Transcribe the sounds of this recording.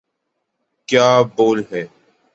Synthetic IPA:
kjaːboːlɦɛː

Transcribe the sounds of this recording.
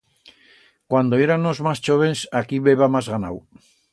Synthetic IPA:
kwand̪oeɾanozmast͡ʃoβ̞ensakiβeβamazɣana̰w

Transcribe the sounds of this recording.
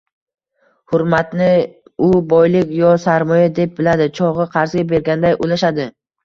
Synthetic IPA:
hʊɾmat̪nɪʊbɒjlɪkʲjɒsaɾmɒjad̪e̞p̚bɪlad̪ɪt͡ʃʰɒʁɨqʰɑɾzɡʲabe̞ɾɡʲand̪ajʔolaʃad̪ɪ

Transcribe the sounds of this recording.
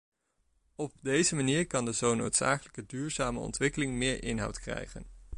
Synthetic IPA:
ɔb̚dejzəmaniːɹkɑndəzowno̰wtsa̰ːkələkədyːɹzaːməɔ̰ntʋɪkəlɪŋmɪːɹʔɪnɦʌ̰wtkrɛ̰jχə̰n

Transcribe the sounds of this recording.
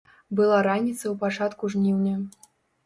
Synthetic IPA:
bɨlˠaɾanʲit̪sɐwpat͡ʂat̪kuʐnʲiwnʲɐ

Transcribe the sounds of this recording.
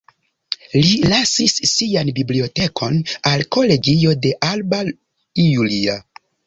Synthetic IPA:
lilasisːianbiblio̞te̞kʰo̞nalko̞le̞ɡio̞de̞ʔalba | ijulia

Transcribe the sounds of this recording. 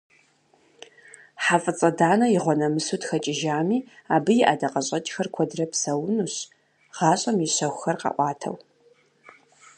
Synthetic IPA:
ħafʼɨt͡sʼɐdaːnɐjɪʁʷɔnɐmɨsutxɐt͡ʃʼɪʒaːmiːaːbɨjɪʔadɐqɐɕʼɐt͡ʃʼxɐrkʷʰɔdrɐpsɐwnuːɕ | ʁ̥ɑːɕʼɐmjɪɕɐxʷxɐrqɑ̰ʔʷɑːtʰɐ̰w

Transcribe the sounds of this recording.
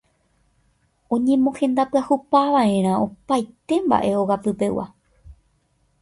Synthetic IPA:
õ̞ɲẽ̞mõhẽ̞nd̪apɨahupaʋaẽ̞ɾ̃ão̞pajt̪e̞mba̰ʔe̞oɣapɨpe̞wa̰

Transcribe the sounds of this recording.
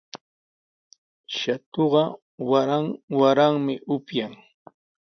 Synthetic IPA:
ʃat̪oɢɑ | waɾaŋwaɾaŋmɪʔʊpjaŋ

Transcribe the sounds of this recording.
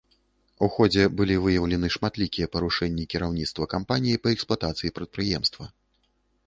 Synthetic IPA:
uxɔd͡zʲɛbɨlʲivɨjɐwlʲɛnɨʂmat̪lʲikʲijɛpɐɾuʂɛnʲːikʲiɾawnʲit̪st̪vɐkampanʲijipɐɛksplˠat̪at̪sɨjipɾɐt̪̚pɾɨjɛmst̪vɐ

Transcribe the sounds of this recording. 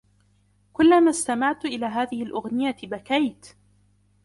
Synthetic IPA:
kʊlːamast̪amaʕt̪ʔɪlaːɦaːðɪhɪlʔʊɣnɪjabakajt̪

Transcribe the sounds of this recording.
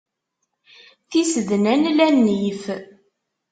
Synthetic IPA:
θisəðnænlænːif

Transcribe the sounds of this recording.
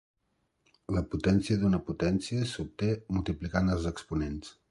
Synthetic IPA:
ləput̪ɛnsiəðunəput̪ɛnsiəsup̚t̪emulˠt̪iplikanəlˠzəkspunens

